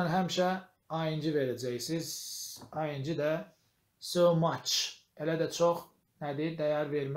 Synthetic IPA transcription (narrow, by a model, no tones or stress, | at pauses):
ænɦæmʃæ | ɑjɯnd͡ʒiveɾæd͡ʒæjsizɑjɯnd͡ʒid̪æ | somɑt͡ʃ | elæd̪æt͡ʃʰoχ | næd̪id̪æjɑɾveɾm